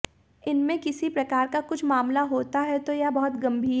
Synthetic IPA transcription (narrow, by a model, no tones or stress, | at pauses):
ɪnmẽkɪsipɾɐkaːɾkakʊt͡ʃʰmaːmlaɦoːt̪aɦɛt̪ojabɐɦʊt̪ɡɐ̃mbʱiː